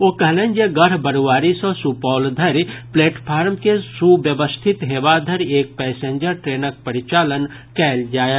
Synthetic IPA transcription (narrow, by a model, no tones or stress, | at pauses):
oːkɐɦlẽːnd͡ʒeɡəɾbəɾuʋaːɾisɔ̃supɔːld̪ʱɐɾpleːʈpʰaːɾmkesuʋjəʋəst̪ʰɪt̪ɦeːʋad̪ʱəɾeːk̚pɛːsẽːɲd͡ʒəɾʈɾeːnək̚pəɾɪt͡ʃaːlən | kɛːld͡ʒaːe